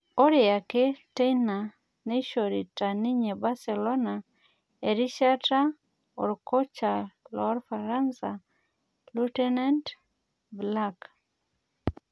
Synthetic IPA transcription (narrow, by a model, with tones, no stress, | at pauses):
ɔ˦ɾɪa˨ke˦te˦jna˨ | ne˦ʃo˨ɾi˨ta˨ni˦ɲe˨ba˦sɛ˨lɔ˦na˨ | e˨ɾi˦ʃa˦ta˦ | ɔ̰˨ɾkɔ˦t͡ʃa˨lɔ˦ɾfa˨ɾa˦nsa˨ | lutɛ˦na˦nt | blak